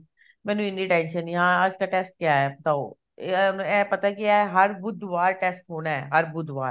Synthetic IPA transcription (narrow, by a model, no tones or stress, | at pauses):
mɛ̃ːnũɪniʈɛ̃ːnʃənjɐɦãːaːd͡ʒkaʈɛːsʈ̚kɪjaɦɛpɐt̪aːo̰ː | nɛ̃ːpɐt̪akɪaɦɛɦɐɾbʊd̪ʋaːɾʈɛːsʈɦoːnaɦɛ̰ːɦɐɾbʊd̪ʋa̰ːɾ